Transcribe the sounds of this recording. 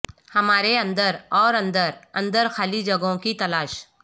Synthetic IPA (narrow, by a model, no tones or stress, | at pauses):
hɐmaːɾeɐ̃nd̪əɾɔːɾɐ̃nd̪əɾɐ̃nd̪əɾxaːlid͡ʒɐɡõkit̪ɐlaːʃ